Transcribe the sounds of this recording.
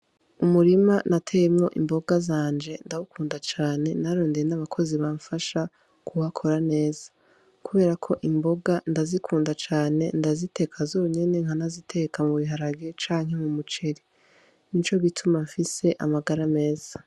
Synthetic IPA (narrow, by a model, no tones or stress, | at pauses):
umuɾimanʔatʰejemŋo̞̰ʔḭmbo̞ɡazaːnd͡ʒe̞ndawukʰuːndat͡ʃaːne̞naɾo̞ːndejenaβakʰo̞ziβaːɱfaʃa | kʰuhakʰo̞ɾane̞ːzḁ | kuβe̞ːɾakʰo̞ʔimbo̞ɡandazikʰuːndat͡ʃaːne̞ndazitʰe̞ːkʰazuɾuɲe̞ne̞ŋhanazitʰe̞kʰamuβiɦaɾaɡet͡ʃaːŋɦe̞mumut͡ʃe̞ɾi | nit͡ʃo̞ɡitʰumaɱfise̞ʔamaɡaɾame̞ːz̥a